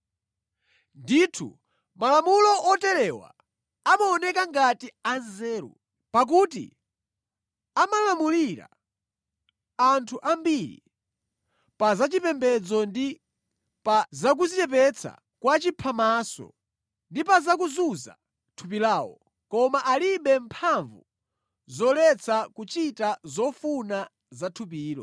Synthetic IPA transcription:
nditʰṵ | malamulɔʔɔtɛɾɛwa̰ | amaɔnɛkaŋɡatianzɛːɾṵ | pak̬utḭ | amalamuliɾa̰ | antʰuʔambiɾḭ | pazat͡ʃipɛmbɛd͡zɔndi | pazak̬uzitɛp̬ɛt͡sʰa̰ | kwat͡ʃipʰamasɔ̰ | ndipazak̬uzuza̰ | tʰup̬ilaːwɔ̰ | kɔmaʔaliɓɛmpʰaɱvu | zɔlɛt͡sʰakut͡ʃitazɔfuna | zatʰup̬iːlɔ̰

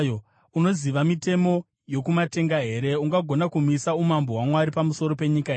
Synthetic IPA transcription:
o | uno̞ziʋamite̞mo̞ | jo̞kumate̞ŋɡaɦe̞ɾe̞uŋɡaɡʱo̞nakumisaumambo̞ɦwamwaɾipamuso̞ɾo̞pe̞ɲikaɦeː

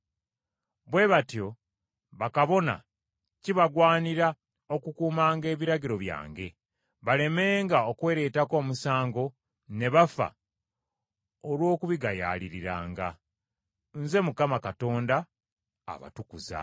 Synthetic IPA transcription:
βwe̞βatjo̞ | βakaβo̞na̰ | ciβaɡwaːniɾa | o̞kukuːmaːŋɡe̞ːβiɾaɟiɾo̞βja̰ːŋɡe̞ | βale̞me̞ːŋɡaokwe̞ːɾe̞tako̞ːmusaːŋɡo̞ | ne̞βafa̰ | olwo̞ːkuβiɡaja̰ːliɾiɾa̰ːŋɡa | nze̞mukamakato̞ːnda̰ː | βa̰tukuza̰

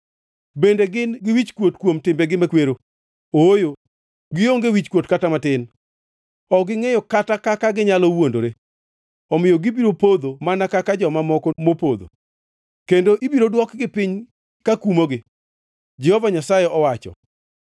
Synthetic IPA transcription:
bendeɡɪnɡɪwit͡ʃkwotkwomtɪmbeɡɪmakweɾo | oojo | ɡɪoŋɡewit͡ʃkwotkatamatɪn | ɔɡɪŋejɔkatakakaɡɪɲalɔwondoɾe | ɔmɪjɔɡɪbiɾopod̪omanakakad͡ʒɔmamɔkɔmopod̪o̰ | kendoʔibiɾodwɔkɡɪpɪɲ | kakumoɡɪ | d͡ʒɛhɔvaɲasajeʔɔwat͡ʃɔ̰

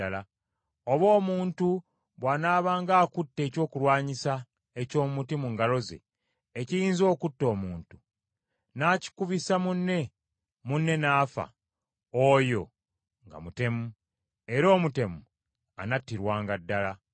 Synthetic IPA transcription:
ala | oβo̞ːmuːntu | βwaːnaːβaːŋɡaːkutːe̞ːco̞ːkulwaːɲisa | ecoːmmutimuŋɡalo̞ze̞̰ː | cijiːnzo̞ːkutːo̞ːmuːntu̥ | naːci̥kuβisamunːe̞ | munːe̞naːfa̰ | ojo̞ | ŋɡa̰mute̞mu | e̞ɾo̞ːmute̞mu | a̰natːiɾwaːŋɡadːala

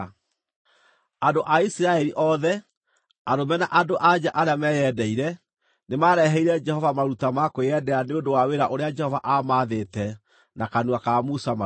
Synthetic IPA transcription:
adoʔaisiɾaɛɾiʔɔðɛ | aɾomɛnaʔadoʔad͡ʒaʔaɾeamɛjɛdɛiɾɛ | nemaɾɛɦɛiɾɛd͡ʒɛhɔvamaɾutamakojɛdɛaneondowaweɾaʔoɾead͡ʒɛhɔvaʔamaðetɛ | nakanuakamusama

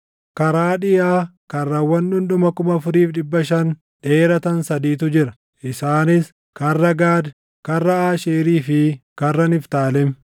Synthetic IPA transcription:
kɐɾaːᶑɪjaːkɐrːɐwːɐnᶑʊnᶑ̪ʊmɐkʊmɐfʊɾiːfᶑɪbːɐʃɐn | ᶑe̞ːɾɐt̪ɐnsɐd̪iːt̪̬ʊd͡ʒɪɾɐ̥ | ʔɪsaːnɪs | kɐrːɐɡaːd̪ | kɐrːɐaːʃeːɾiːfɪkɐrːɐnɪft̪aːlɛm

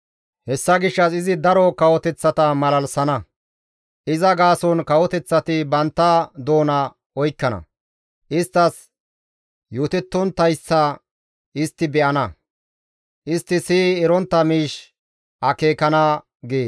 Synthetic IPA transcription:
hɛsːɐɡɪʃːɐsɪzɪd̪ɐɾɔkɐwɔt̪ɛt͡sːɐt̪ɐmɐlɐlsɐnɐ | ʔɪzɐɡaːsɔnkɐwɔt̪ɛt͡sːɐt̪ɪbɐnt̪ːɐd̪o̞ːnɐ | ɔjkːɐnɐ̰ | ʔɪst̪ːɐs | juːt̪ɛt̪ːɔnt̪ɐjsːɐ | ɪst̪ːɪbɛʔɐnɐ | ʔɪst̪ːɪsiːɾɔnt̪ːɐmiːʃ | ʔɐke̞ːkɐnɐ | ɡeː

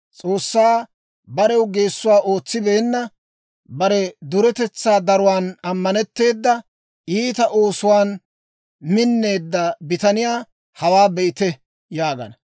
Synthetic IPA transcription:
t͡sʼo̞ːsːaː | bɐɾɛwɡe̞ːsːʊwaːʔo̞ːt͡sːɪbe̞ːnːɐ | bɐɾɛd̪ʊɾɛt̪ɛt͡sːaːd̪ɐɾʊwaːnɐmːɐnɛt̪ːe̞ːd̪ːɐ | iːt̪ɐʔo̞ːsʊwaːn | mɪnːe̞ːd̪ːɐbɪt̪ɐnɪjaː | hɐwaːbɛʔɪt̪ɛ | jaːɡɐ̰nɐ

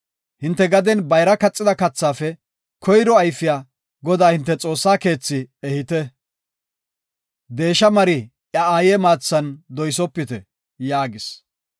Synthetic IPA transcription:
hɪnt̪ːɛɡɐd̪ɛnbɐjɾɐkɐt͡sʼːɪd̪ɐkɐt͡sːaːfɛ | kʰɔjɾɔɐjfɪjaː | ɡɔd̪aːhɪnt̪ːɛt͡sʼo̞ːsːaːke̞ːt͡sːɪɛhɪt̪ɛ | d̪e̞ːʃːɐmɐɾɪ | ʔjɐaːjɛːmaːt͡sːɐnd̪ɔjsɔpːɪt̪ɛ | jaːɡɪs

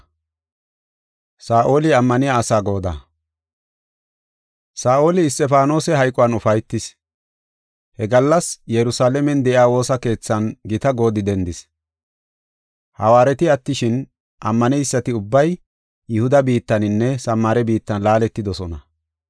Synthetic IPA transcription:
saːʔo̞ːlɪɐmːɐnɪjaːsaːɡo̞ːd̪a̰ | saːʔo̞ːlɪːst̪ʼɛfaːno̞ːsɛɦɐjkʼʊwɐnʊfɐjt̪ːɪs | hɛɡɐlːɐsjɛɾʊsaːlɛmɛnd̪ɛʔɪaːwo̞ːsɐke̞ːt͡sːɐnɡɪt̪ɐɡo̞ːd̪ɪd̪ɛnd̪ɪs | hɐwaːɾɛt̪ɪɐt̪ːɪʃɪn | ʔɐmːɐnɛjsːɐt̪ɪʊbːɐj | jʊhʊd̪ɐbiːt̪ːɐnɪnːɛsɐmːaɾɛbiːt̪ːɐnlaːlɛt̪ːɪd̪ɔsɔnɐ

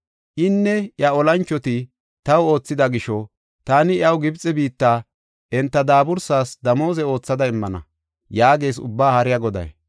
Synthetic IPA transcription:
ʔɪnːɛʔjɐɔlɐnt͡ʃːɔt̪ɪ | t̪ɐwo̞ːt͡sːɪd̪ɐɡɪʃɔ | t̪aːnɪjɐwɡɪbt͡sʼːɛbiːt̪ːaː | ʔɛnt̪ːɐd̪aːbʊɾsaːsd̪ɐmo̞ːzɛo̞ːt͡sːɐd̪ɐɪmːɐnɐ̰ | jaːɡe̞ːsʊ̰bːaːhɐɾɪjɐɡɔd̪ɐ̰j

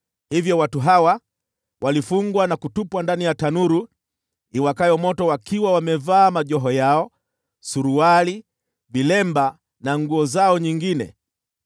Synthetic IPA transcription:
hivjɔwatuɦawa | wʔalifuŋɡwanakutupwandanijatanuɾu | iwakajɔmɔtɔwakiwawamɛvaːmaʄɔɦɔjaɔ | suɾuwali | vilɛmba | naŋɡuɔzaɔɲiŋɡinɛ̰

